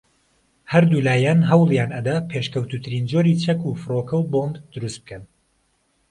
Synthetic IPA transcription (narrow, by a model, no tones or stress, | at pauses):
hɐɾd̪uːlaːjaːnɦɐwlˠjaːnɐd̪apʰeʃkəwt̪uːt̪ʰɨɾiːnd͡ʒoːɾit͡ʃʰɐkufɨrokʰɐwbondd̪ʊɾust̪̚b̥̚kʰɐn